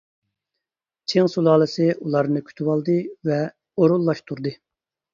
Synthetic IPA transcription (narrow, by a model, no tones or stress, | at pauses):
t͡ʃʰeŋsulˠɑːlˠɨsɪʔulˠɑɾnɨkʲʰy̥t̪ʰywɑlˠd̪ɨvɛ | oɾulˠːɑʃt̪ʰuɾd̪ɨ